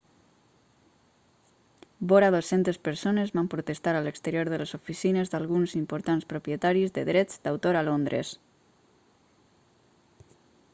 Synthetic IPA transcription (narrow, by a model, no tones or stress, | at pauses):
boɾaðosent̪espəɾsonezβampɾut̪est̪aɾaləkst̪əɾjoɾðəlezofisinezðalɣunzimpoɾt̪anspɾopjet̪aɾizd̪əðɾɛd͡zd̪awt̪oɾalond̪ɾḛs